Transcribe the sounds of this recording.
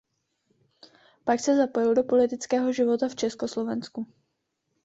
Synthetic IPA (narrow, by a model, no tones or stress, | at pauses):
paksɛzapojɛwdo̞po̞lɪt̪ɪt͡skɛːɦo̞ʒɪvo̞t̪aft͡ʃɛskoslo̞vɛnsku